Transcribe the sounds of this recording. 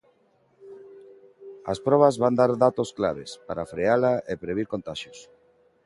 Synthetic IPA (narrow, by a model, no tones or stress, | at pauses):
a̰spɾɔβ̞azβand̪aɾðat̪oskla̰β̞espaɾafɾealaepɾeβ̞iɾkont̪aʃjos